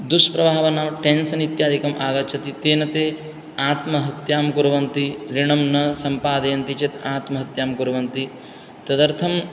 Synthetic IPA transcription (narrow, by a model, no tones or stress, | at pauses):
d̪uʂpɾɐbaːʋɐnaːʋʈensɐnit̪jaːd̪ikɐmʔaːɡɐt͡ʃʰɐt̪it̪eːnɐt̪eː | aːt̪mɐɦɐt̪jaːmkuɾɐʋɐnt̪iɾiɳɐmnɐsɐmpaːd̪ɐjɐnt̪it͡ʃet̪aːt̪mɐɦɐt̪jaːmkuɾɐʋɐnt̪i | t̪ɐd̪ɐɾt̪ʰɐm